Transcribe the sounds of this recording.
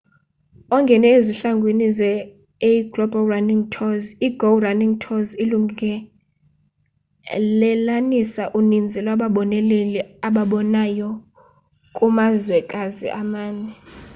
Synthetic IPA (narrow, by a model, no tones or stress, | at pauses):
ɔŋɡʱɛnɛeziɬaŋɡʱwenizɛ | eiɡ̥lɔbalraniŋtʰɔziɡowraniŋtʰɔziluŋɛ | lɛlanisaʔunind͡zʱɛlwaɓaɓɔnɛlɛlɛaɓaɓɔnajɔ | kʼumazwɛkʼazḭʔamaːnɛ